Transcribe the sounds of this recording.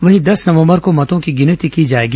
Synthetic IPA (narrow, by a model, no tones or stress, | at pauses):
ʋɐɦĩd̪ɐsnɐʋə̃mbəɾkomɐt̪õkiɡɪnət̪ikid͡ʒaːeːɡi